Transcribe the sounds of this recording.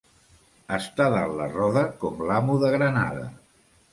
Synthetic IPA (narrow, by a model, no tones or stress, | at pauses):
əst̪aðallərɔðəkɔmlamuðəɣɾəna̰ðə̰